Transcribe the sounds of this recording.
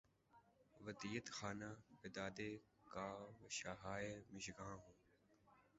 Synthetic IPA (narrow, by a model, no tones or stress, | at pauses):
ʋəd̪iːət̪xaːnaːbɪd̪aːd̪eː | kaːʋəʃaːɦaːeːmɪʃɡãːɦũː